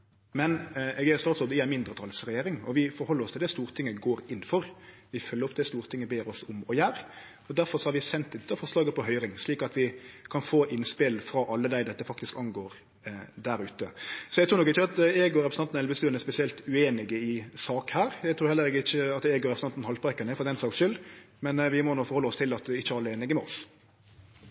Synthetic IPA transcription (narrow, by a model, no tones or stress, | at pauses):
mɛnɛɡæst̪ɑːt̪sɔɾd̪ɪæmɪnd̪ɾət̪ʰɑːlsɾɛjeːɾɪŋɔ̰ʋɪfɔɾhɔlːɾɔst̪ɪld̪ɛst̪uːɾt̪ʰɪŋːəɡoːɾɪnːfɔɾʋɪfœlːəɾɔp̚d̪ɛst̪uːɾt̪ʰɪŋːəbeːɾɔsʊmɔjæːɾ | ɔd̪æɾfɔɾsɔhɑɾʋɪsɛnt̪ːɪd̪ɛt̪ːəfɔɾslɑːɡəpʰɔɦœʏɾɪŋsliːkɑt̪ʋɪkʰɑnfoːʔɪnspɪlfɾɑʔɑlːəd̪æɪd̪ɛt̪ːəfɑk̚t̪ɪskɑŋɡoːɾ | d̪æɾʉːt̪əsɔɛɡt̪ʰuːnɔkːɪçːəɑt̪eɡoɾɛpɾsəɑnɛlbəst̪ʉːnɛspɛsɪɛlt̪ʉeːnɪɡəɪsɑːkhæːɾæɡt̪ɾuːɾhɛlːəɾeːɡəɪçəɑt̪eːɡʊɾɛpsɑnt̪n̩hɑlt̪pʁɑkənɛfɔɾɑt̪ɛæɪnsɑːksʃʏl | mɛnʋɪmɔnuːfɔɾhɔlːɔst̪ʰɪlɑt̪ɪçːəɑlːəeːnɪɡəmɛɔs